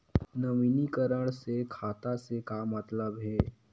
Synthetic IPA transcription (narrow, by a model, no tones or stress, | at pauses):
nɐmiːnikəɾəɽ̃sekʰaːt̪asekamɐt̪ləbɦɛː